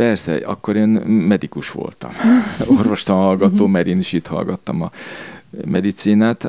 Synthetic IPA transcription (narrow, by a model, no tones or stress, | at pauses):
pɛrsɛ̰ɒ̰kːo̞ɾeːnmɛd̪ikuʃʋo̰lt̪ɒ̰morʋo̞ʃt̪ɒnhɒlɡɒt̪oːmɛɾeːniʃiːt̪hɒ̰lɡɒt̪ːɒmɒ | mʔɛd̪it̪siːnaːt̪